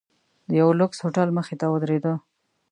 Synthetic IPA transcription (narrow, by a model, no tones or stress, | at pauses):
d̪əjawlʊkshoʈalməxet̪awəd̪ɾed̪ə